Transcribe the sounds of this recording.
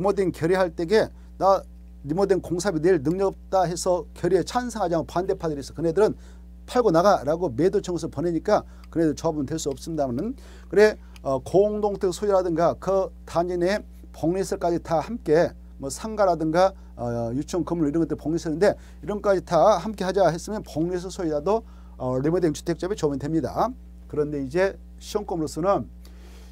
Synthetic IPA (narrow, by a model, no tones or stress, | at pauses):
ɲimodwenkjʌɾiɦaɭt͈e̞ɡe̞ | na | nimodwenkoŋsʰabineɭnɯŋɲʌɡp̚t͈aɦe̞sʰʌkjʌɾiet͡ɕʰansʰaŋɦad͡ʑaopande̞pʰadɯɾes͈ʰʌkɯnedɯɾɯn | pʰaɭɡonaɡaɾaɡome̞dot͡ɕʰʌŋɡɯs̬ʰɯpʌneɲik͈a | kɯnedɯɭt͡ɕʌbundwe̞ɭs͈uʌp̚s͈ɯmɲidamanɯn | kɯɾe̞ | ʌkoŋdoŋtʰɯk̚sʰojiɾadɯŋɡakɯtaɲine | pʌŋnesʰɯɭk͈ad͡ʑitahamk͈e̞ | mʌsʰaŋɡaɾadɯŋɡa | jut͡ɕʰʌŋkɯmɾɯɭiɾʌnɡʌt͈ɯɾipʌŋɲesʰɯnɯnde̞ | iɾʌnk͈ad͡ʑitahamk͈e̞had͡ʑaɦes͈ɯmjʌnpʌŋnes̬ʰɯsʰoiɾado | nemodeŋt͡ɕʰu̥tʰe̞k̚t͡ɕ͈ʌbet͡ɕʌbɯndwemɲida̰ | kɯɾʌnde̞id͡ʑe̞ | ɕʰʌŋk͈omɾos͈ʌnɯn